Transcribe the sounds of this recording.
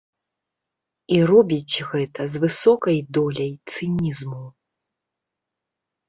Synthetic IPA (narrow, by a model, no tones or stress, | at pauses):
iɾɔbʲit͡sʲɣɛt̪ɐzvɨsɔkɐjd̪ɔlʲɐjt̪sɨnʲizmu